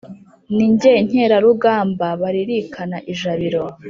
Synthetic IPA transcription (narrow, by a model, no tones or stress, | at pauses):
niɲɟeiɲ̥e̞ːɾaɾuɡaːmbaβaɾiɾikʰanaʔiʒaβiɾo̞